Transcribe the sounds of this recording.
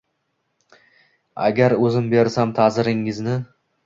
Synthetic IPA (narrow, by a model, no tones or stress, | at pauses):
a̰ɡʲaɾɵzɪmbe̞ɾsamt̪ʰazɪɾɪŋːɪznɪ